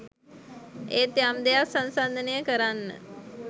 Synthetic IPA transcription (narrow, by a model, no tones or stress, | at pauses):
ḛːt̪eamd̪ejasansand̪ənəjəkəɾanːə̰